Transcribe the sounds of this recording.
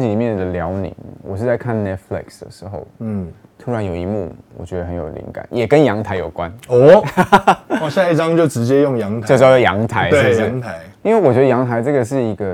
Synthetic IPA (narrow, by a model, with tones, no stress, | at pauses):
t͡ɕi˨˩li˨˩mjɛ˥˩nd̪ə˨˩ljɑ˧˥ʊnḭ˨˩ŋwɔ̰˨˩ʂɻ̩˥˧t͡sa˥˧ɪkʰa˥˩nnɛ˥t̪̚flḭ˨˩ksd̪ə̰˨ʂɻ̩˧˥xo̰˥˩ʊ˥˩ | t̪ʰu˧˥ɻa˧˦njo˨˩ʊi˧˥mṵ˥˩wɔ̰˨˩t͡ɕɥɛ˧˥d̪ə˧˨xə˧˦njo˨˩ʊlḭ˧˥ŋka̰˨˦njɛ˨˩kə˦njɑ˧˥ŋt̪ʰa˧˥ɪjo˨˩ʊkwa˦nɔ˦˥ | ɔ˥˨ɕja˥˧i˥˩ʈ͡ʂɑ˥˦ŋt͡ɕjo˥˨ʊʈ͡ʂɻ̩˧˦t͡ɕjɛ˦jo˥˨ŋjɑ˧˥˦ŋt̪ʰt͡ɕo˥˧ɑ˥˧ə˧˩jɑ̰˧˥ŋt̪ʰa˧˥ɪ˥o˥˧ʂ̩˥˩˦ŋt̪ʰa˧˦ɪ | i˥nwe˥˩ɪwɔ˨˩t͡ɕɥɛ˧˥d̪ə˧jɑ˧˥ŋt̪ʰa˧˥ɪʈ͡ʂɤ˥˩ɡə˩ʂ̬ɻ̩˥˩i˧˥ɡə˧